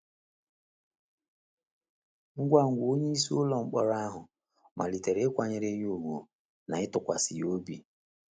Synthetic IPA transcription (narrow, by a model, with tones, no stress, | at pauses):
ŋ̩˦ɡʷa˦ŋ̩˨ɡʷo˦ɲe˦i˦su˦ʊ˦lɔ˨ŋ͡m̩˨k͡pɔ˦ɾa˦ɦʊ˨ | mʔa̰˨li˨te˨ɾe˦kʷa˨ɲe˦ɾe˦ɲ˦o˦˨wo˨ | na˨ɪ˦tʊ˨kʷa˨sḭ˨jo˦bi˨